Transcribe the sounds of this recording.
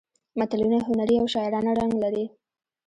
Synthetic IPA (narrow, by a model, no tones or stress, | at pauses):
mat̪alunaɦʊnaɾiawʃɑɪɾɑnaɾaŋɡlaɾi